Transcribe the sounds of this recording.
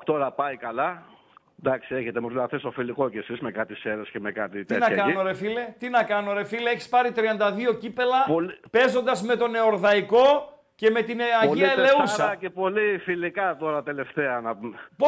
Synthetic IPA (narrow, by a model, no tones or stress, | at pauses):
t̪o̞ɾɐpɐjkɐlɐ | d̪ɐksieçet̪emuinɐθesofiliko̞cesismekɐt̪iseɾescemekɐt̪it̪itnɐɐkɐnoɾefile̞t̪inɐkɐno̞ɾe̞fileeçi̥spɐɾit̪ɾiɐnd̪ɐðio̞cipe̞lɐpolipe̞zo̞nd̪ɐzme̞t̪o̞ne̞oɾðɐiko̞ | ce̞me̞t̪inɐiɐɐeleusɾɐɐcepo̞lifilikɐt̪o̞ɾɐt̪e̞le̞ft̪eɐnɐp